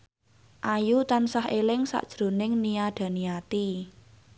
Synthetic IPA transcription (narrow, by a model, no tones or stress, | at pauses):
ʔajut̪ansahelɪŋsa̰ʔd̥ʒ̥ɾo̤nɪŋniaɖ̥ä̤niat̪i